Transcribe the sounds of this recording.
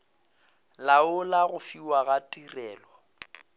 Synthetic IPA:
laʊlaɣʊfiwaɣatʼirɛːlɔ

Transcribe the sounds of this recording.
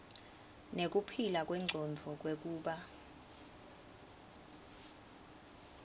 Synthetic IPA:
nek̬upʰilak̬ʼwɛŋ͡ǀʱɔnd͡zʱɔk̬wek̬uːɓa

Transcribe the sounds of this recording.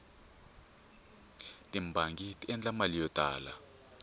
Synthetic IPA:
tʼimbʱaŋɡitʼiɛnd͡ɮʼamalijɔd̥ʱa̰ːla̰

